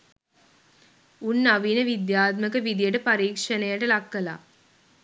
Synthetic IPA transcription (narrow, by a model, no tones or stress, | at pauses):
unːaʋiːnəʋid̪jaːt̪məkəʋid̪ijəʈəpaɾiːkʂɐnejaʈəlakːəla̰ː